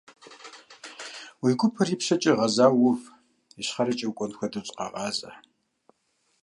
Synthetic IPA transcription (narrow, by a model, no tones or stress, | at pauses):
wiːɡʷʊpʰɨriːpɕɐt͡ʃʼiʁɐzaːwʊf | iɕχɐɾɐt͡ʃʼɐwkʷʼɔnxʷɐdɨt͡sʼqɐ̰ʁɑːzʼɐ̰